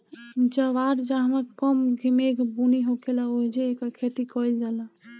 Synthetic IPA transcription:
d͡ʒəʋaɾd͡ʒaɦəməɾkəmɡʱimekbuniɦokʰelaoɦid͡ʒeːkakʰet̪ikɔjld͡ʒalã

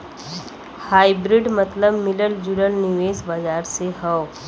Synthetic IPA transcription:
haibɾiɖmət̪ləbmiləld͡ʑuɽəlniʋeːsbad͡ʒaɾseɦəw

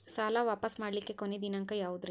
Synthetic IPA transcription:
saːlaʋaːpɐsmaːɽlikːekoned̪inɐŋkɐjaːʋud̪ɾi

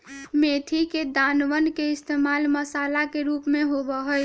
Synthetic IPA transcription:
met̪ʰiked̪anʋənkeɪst̪ʰemaːlməsaːlakeɾupmẽɦobəɦəj

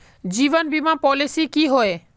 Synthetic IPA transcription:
d͡ʒiːʋənbʱimãpɔːlɪsikiɦoe

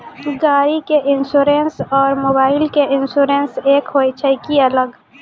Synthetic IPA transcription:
ɡaːɾikeʔɪnsuːɾeːnsɔːɾmoːbaːɪlkeʔɪ̃nsuːɾẽːnseːkɦoːɪt͡ʃʰəɪkiɐləɡ

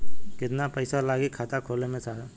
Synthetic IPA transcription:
kɪt̪napəɪsalaːɡikʰaːt̪akʰoːlemẽsaːɦa

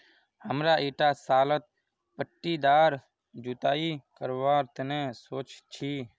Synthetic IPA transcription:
həmɾaːʔiːʈasaːlət̪̚ | pəʈːid̪aːɾ | d͡ʒʊt̪aːikəɾʋaːɾt̪ənẽsoːt͡ʃt͡ʃʰiː

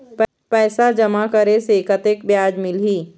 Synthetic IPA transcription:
p | pɛːsad͡ʒəmakəɾesekət̪ek̚bjaːd͡ʒmɪlɦiː

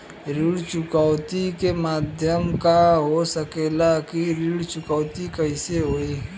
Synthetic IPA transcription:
ɾiɽt͡ʃʊkaːt̪ikemaːd̪ʱjəmkaɦosəkeːlakiɾiːɽt͡ʃʊkaːt̪ikəɪseɦoːiɦ

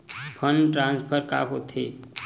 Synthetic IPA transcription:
pʰənʈɾãnspʰəɾka̰ɦot̪ʰe

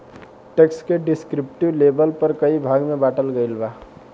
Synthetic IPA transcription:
ʈekskeɖɪskɾɪpʈiwleːbəlpəɾkəibʱaːɡmẽbaːʈəlɡəɪlbaː

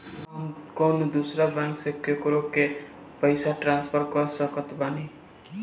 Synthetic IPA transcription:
konod̪usɾabãŋksekʰːjokoɾokːe | pʌjsaʈrãnspʰʌɾkʌsʌkʌt̪bani

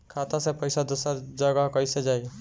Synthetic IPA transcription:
kʰat̪asẽpəjsad̪osəɾd͡ʒəɡəɦkəjsed͡ʒaj

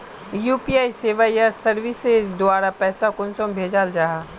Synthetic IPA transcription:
juːpiaːiseːʋajasəɾʋɪsed̪ʊaːɾapɛːsakʊnsõmbʱeːd͡ʒald͡ʒaːɦaː

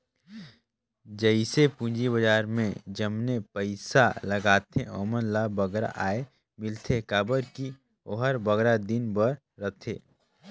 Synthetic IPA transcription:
d͡ʒəɪsepũd͡ʒibəd͡ʒaːɾmḛ̃d͡ʒəmnepəɪsalɐɡaːt̪ʰḛ̃ɔ̰ːmənlabɐɡɾa̰ʔaːe | mɪlt̪ʰekaːbəɾki | oːɦəɾbəɡɾad̪ɪnbəɾːət̪ʰeː

